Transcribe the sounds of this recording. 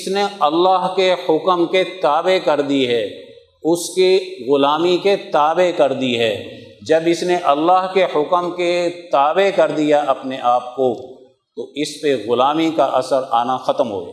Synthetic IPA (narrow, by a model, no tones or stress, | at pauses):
ɪsneɐlːaːɦkehʊkəmket̪aːbekɐɾd̪iɦɛː | ʊskeɣʊlaːmiket̪aːbekɐɾd̪iɦɛː | d͡ʒɐbɪsneʔɐlːaːɦkehʊkəmket̪aːbekɐɾd̪ijaʔɐpneʔaːp̚ko | t̪oɪspeɣʊlaːmikaʔɐsəɾa̰ːnaxɐt̪əmɦo̰ːɡḛ